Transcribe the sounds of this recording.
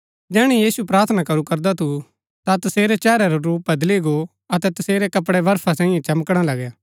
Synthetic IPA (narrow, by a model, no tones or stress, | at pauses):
d͡ʒɛːɽ̃ɛjiːsupɾaːɾt̪ʰnakɐɾukɐɾd̪at̪ʰu | t̪at̪ɐseːɾɛt͡ʃɛːɾɛɾoɾuːp̚bɐd̪liɡo | ɐt̪ɛt̪ɐseːɾɛkɐpɽɛʋɐɾfʰasɛ̃ːɪ̃jẽt͡ʃɐmkɽ̃alɐɡjaː